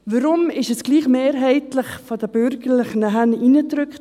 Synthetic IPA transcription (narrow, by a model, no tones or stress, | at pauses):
ʋəɾʊmɪʃɛsɡ̥liːχmeːɾɦɛɪtlɪχfɔdəbʏɾɡəɾlɪχnəɦænʔinətɾʏkt